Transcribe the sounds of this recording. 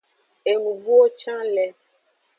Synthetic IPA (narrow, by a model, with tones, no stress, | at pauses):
e˨ŋũ˨vu˦o˦t͡ʃã˦lɛ˨